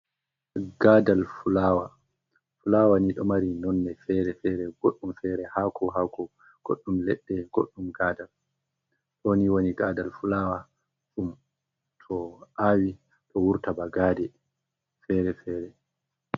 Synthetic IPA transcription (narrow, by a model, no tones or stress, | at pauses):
ɡ̥aːdalfulaːwa | fulaːwaniɗɔmaɾinɔnːɛfɛɾɛfɛɾɛɡoɗːumfɛːɾɛhakʰɔɦaːkʰɔ | ɡ̥o̰ɗːumlɛɗːɛɡoɗːumɡaːdal | ɗoniwoniɡaːdalfulaːwa | sum | tʰɔʔawi | tɔwuɾtabaɡaːdɛ | fɛɾɛfɛːɾɛ